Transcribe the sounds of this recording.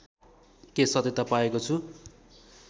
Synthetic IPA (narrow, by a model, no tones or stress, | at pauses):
kesʌt̪et̪ʌpaekot͡sʰu